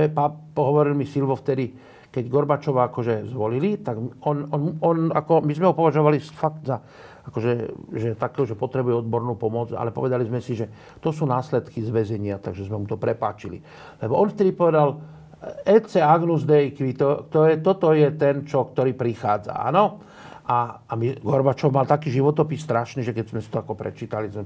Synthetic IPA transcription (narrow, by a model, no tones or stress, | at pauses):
ɛpapɔɦɔʋɔɾilmisilʋɔft̪ɛd̪i | kɛɟɡɔɾbat͡ʃɔʋaakɔʒɛzʋɔlilit̪aɡɔnɔnɔna̰kɔmizmɛɦɔpɔʋaʒɔʋalifaɡt̪za | akɔʒɛʒɛt̪akɛɦuʒɛpɔt̪ɾɛbujɛɔd̪bɔɾnuːpɔmɔd͡za̰lɛpɔ̰ʋɛd̪alizmɛsiʒɛ | t̪ɔsuːnaːslɛt̪kizʋɛzɛɲɪat̪aɡʒɛzmɛmut̪ɔpɾɛpaːt͡ʃilḭ | lɛbɔʔɔnft̪ɛd̪ipɔʋɛd̪al | ɛt͡sɛaɡnuzd̪ɛikʋit̪ɔt̪ɔɛt̪ɔt̪ɔjɛt̪ɛnt͡ʃɔkt̪ɔɾiːpɾixaːd͡za̰a̰nɔ | ʔaamiɡɔɾbat͡ʃɔʊmalt̪akiːʒiʋɔt̪ɔpisːt̪ɾaʃniːʒɛkɛzmɛsi̥t̪ɔakɔpɾɛ̰t͡ʃiːt̪alizmɛ